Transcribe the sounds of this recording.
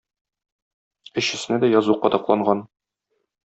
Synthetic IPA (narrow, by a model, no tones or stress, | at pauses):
ɘ̆ɕɘ̆snɘd̪æjɒzuqɒd̪ɑqlˠɑɴɢɑn